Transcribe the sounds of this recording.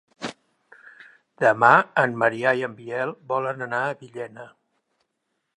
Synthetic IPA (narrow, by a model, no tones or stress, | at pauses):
d̪̥əmaəmːəɾiajəmbiɛlˠbɔlənənaəβiʎɛnə